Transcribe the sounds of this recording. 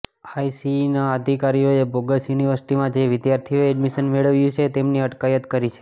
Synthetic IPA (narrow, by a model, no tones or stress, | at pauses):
aisinaəd̪ʱikaɾijoeboɡəsjuniʋəɾsi̥ʈimãd͡ʒeʋɪd̪jaɾt̪ʰijoɛɖmiʃənmeɭəʋjũt͡ʃʰet̪emniəʈkajət̪kəɾit͡ʃʰe̥